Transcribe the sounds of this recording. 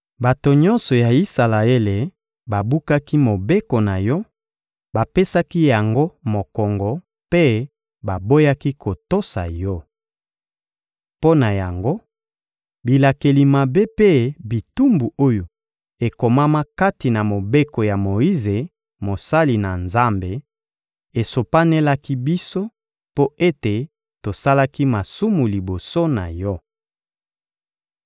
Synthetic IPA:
ba˨to˨ɲɔ˦nsɔ˨ja˨i˦sa˨la˨e˦le˨ | ba˨bu˦ka˦ki˦mo˨be˦ko˨na˨jɔ˦ | ba˨pe˦sa˦ki˦ja˨ŋɡo˦mo˨kɔ˨ŋɡɔ˨ | pe˦ | ba˨bo˦ja˦ki˦kʰo˨to˦sa̰˨jɔ˦ | po˦na˨ja˨ŋɡo˦ | bi˨la˨ke˨li˨ma˨be˦pe˦bi˨tu˦mbu˨o˦jo˨ | e˨ko˨ma˦ma˦ka˦ti˨na˨mo˨be˦ko˨ja˨mo˨i˦ze˨ | mo˨sa˦li˨na˨nza˦mbe˨ | e˨so˨pa˦ne˦la˦ki˦bi˦so˦ | po˦e˦te˨ | to˨sa˦la˦ki˦ma˨su˦mu˨li˨bo˨so˦na̰˨jɔ˦

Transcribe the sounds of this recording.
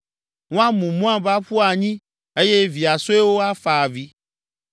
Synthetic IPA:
ŋõ˦a˦mũ˨mũ˦ã˦ba˦ɸu˦a˨ɲĩ˦ | e˦je˦vi˨a˨so˦e˦wo˦a˦fa˨vi˦

